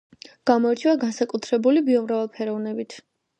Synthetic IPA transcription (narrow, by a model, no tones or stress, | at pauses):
ɡ̥amɔɛɾt͡ʃʰivaɡansakʼut̪ʰɾɛbulibiɔmɾavɛlˠpʰɛɾɔvnɛbit̪ʰ